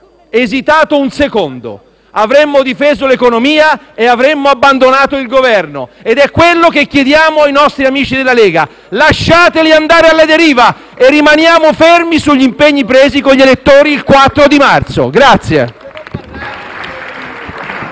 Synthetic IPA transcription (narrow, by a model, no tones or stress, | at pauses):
ezit̪aːt̪ounsekond̪o̰ | avɾemːod̪ifeːzolekonomiːa | eavɾemːoabːand̪onaːt̪oilɡovɛrnoed̪ɛkːwelːok̟ekjed̪jaːmoajnɔst̪ɾiamiːt͡ʃid̪elːaleːɡa | laʃːaːt̪eliand̪aːɾealːad̪eɾiːva | erːimanjaːmofermisuʎːimpeɲːipɾeːzikoʎːelet̪ːoːɾiːlkwat̪ːɾod̪imart̪so̰ɡɾat̪sjḛ